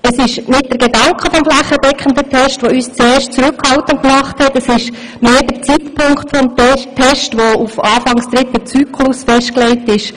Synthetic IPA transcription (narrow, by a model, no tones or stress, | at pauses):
əsɪʃnɪt̚d̥əɾɡ̥edɑŋkχəfɔmflæχəd̥ɛkχən̩dətʰɛʃtʋoyːst͡sɛːɾʃtt͡suɾʉkhɑltənkmɑχthɛtəsɪʃ | meːdəɾt͡sitpʰʊŋkχtfɔmtɛtʰɛʃtʋoufɑːfɑŋsd̥̪ɾɪtət͡syːkʰlʊsfɛʃt̚klɛɪtɪʃ